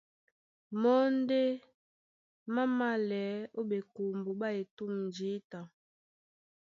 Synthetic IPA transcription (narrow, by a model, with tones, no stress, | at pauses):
mɔ˦n˦de˦ | ma˦ma˦˨lɛ˨˦o˦ɓe˨ku˨mbu˨ɓa˦e˨tu˦˨mn˨d͡ʒi˨˦ta˨